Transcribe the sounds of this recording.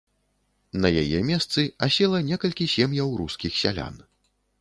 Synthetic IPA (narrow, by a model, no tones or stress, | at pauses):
nɐjajɛmʲɛst̪sɨasʲɛlˠɐnʲɛkɐlʲkʲisʲɛmjɐwɾuskʲixsʲa̰lʲa̰n